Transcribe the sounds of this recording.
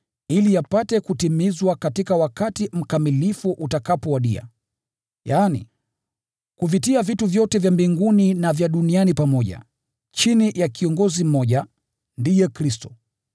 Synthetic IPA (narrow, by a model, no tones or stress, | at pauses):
ilijapatɛkutimizwakatikawakatim̩kamilifuʔutakapɔwaɗia̰ | jaːnḭ | kuvitiavituvjɔtɛvjambiŋɡuninavjaɗunianipamɔʄa̰ | t͡ʃinijakiɔŋɡɔzim̩mɔʄa | ndijɛkɾistɔ